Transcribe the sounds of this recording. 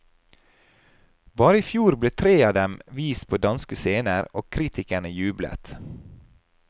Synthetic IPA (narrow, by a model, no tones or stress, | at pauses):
bɑːɾəiːfjuːɾbleːt̪ʰɾeːɑːd̪ɛmʋiːst̪̚pʰoːd̪ɑnskəseːnəɾoːkʰɾiːt̪ʰɪkəɳəjʉːblə̰t̪